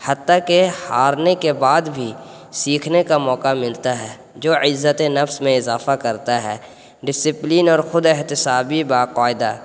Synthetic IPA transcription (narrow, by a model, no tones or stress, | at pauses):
hɐt̪ːakehaːɾnekebaːd̪bʱi | siːkʰnekamɔːkamɪlt̪aɦɛː | d͡ʒoːʔɪzːət̪enɐfsmẽɪzaːfakɐɾt̪aɦɛː | ɖɪsɪpliːnɔːɾxʊd̪ɪɦt̪ɪsaːbibaːqaːɪd̪aː